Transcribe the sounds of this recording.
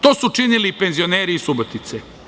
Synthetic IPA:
t̪o̞sut͡ʃinilipenzioneːɾiːsubot̪it̪se

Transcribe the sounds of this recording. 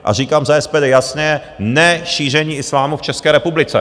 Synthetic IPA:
ʔa̰r̝iːkaːmzaɛspɛːdɛjasnɛɛ | nɛʃiːr̝ɛɲiːɪslaːmuft͡ʃɛskɛːɾɛpublɪt͡sɛ̰

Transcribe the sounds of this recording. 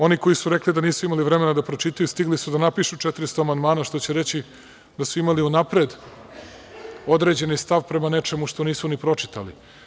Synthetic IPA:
o̞niko̞jisuɾe̞klid̪aniːsuimaliʋɾe̞me̞nad̪apɾot͡ʃit̪ajust̪iɡlisud̪anapiʃut͡ʃet̪iɾist̪oamand̪maːnaʃt̪o̞t͡ɕeɾe̞t͡ɕi | d̪asuimaliunapɾe̞d̪ | o̞d̪ɾe̞ːd͡ʑe̞nist̪aʋpɾe̞mane̞t͡ʃe̞muʂt̪o̞niːsunipɾo̞t͡ʂi̥t̪a̰lḭ

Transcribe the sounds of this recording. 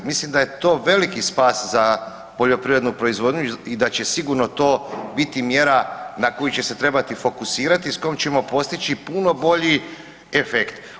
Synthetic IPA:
mislimd̪aje̞t̪o̞ːʋe̞likispaːsza | po̞ʎo̞pɾiʋɾe̞d̪nupɾo̞izʋo̞d̪ɲuid̪at͡ɕe̞siɡuɾno̞t̪o̞ːbit̪imje̞ɾanako̞jut͡ɕe̞se̞t̪ɾe̞bat̪ifo̞kusiːɾat̪isko̞jomt͡ɕe̞mo̞po̞st̪it͡ɕipuno̞bo̞ʎi | efekt̪

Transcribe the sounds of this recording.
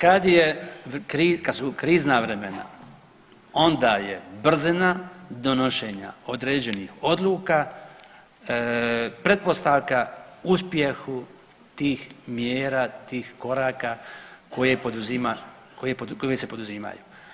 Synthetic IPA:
kad̪jekɾiːkad̪sukɾiːznaʋɾemena̰ | o̞nd̪ajebr̩zinad̪onoʃeɲa̰o̞d̪ɾeːd͡ʑe̞niho̞d̪lˠuːka | pɾe̞t̪̚po̞st̪aʋkauspje̞xu | t̪iːxmjeːɾaːt̪iːxko̞ɾaːkako̞jepod̪uzima | kojepokojesepo̞d̪uziːma̰jṵː

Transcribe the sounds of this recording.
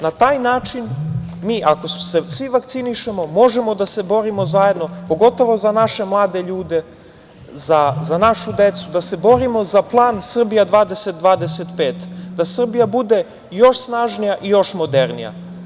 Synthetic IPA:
nat̪aːjnaːt͡ʃin | miːʔako̞sesʋiʋakt̪siniʃe̞mo̞mo̞ʒemod̪ase̞bo̞ɾimo̞zaje̞d̪nopo̞ɡo̞t̪o̞ʋo̞zanaʃe̞mlˠaːd̪eʎuːd̪e̞ | zazanaʃud̪e̞t̪sud̪ase̞bo̞ɾimo̞zaplˠaːnsr̩bijad̪ʋaːd̪e̞set̪̚d̪ʋaːd̪eset̪pe̞ːt̪d̪asr̩bijabud̪e̞ | jo̞ʃsnaːʒnijaʔijo̞ʃmo̞d̪eɾnḭja̰

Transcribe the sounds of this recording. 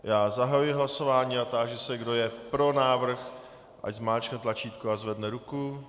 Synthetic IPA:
jaːzaɦajujɪɦlaso̞vaːɲiːat̪aːʒɛsɛɡdo̞jɛpɾo̞naːvr̩x | ʔa̰czmaːlt͡ʃknɛt̪lat͡ʃiːt̪kuazvɛdnɛɾuku

